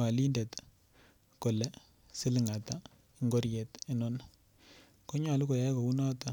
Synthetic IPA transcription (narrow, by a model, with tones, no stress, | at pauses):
a˨li˦nde˨t | ko˨le˦ | sɪ˦lɪ˨ŋa˨ta˦ | i˨ŋɡo˦ɾje˨te˨nɔ˦na | ko˦ɲa˨lu˦ko˨ja˦ko˨u˦nɔ˦ta˨